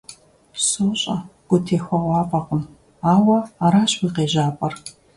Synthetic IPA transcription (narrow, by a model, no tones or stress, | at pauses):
soːɕʼɐɡ̥ʷʊtʰeːxʷɐʁʷɑːpʼɐqʊm | aːwɐaɾaːɕwiːqeːʒaːpʼɐr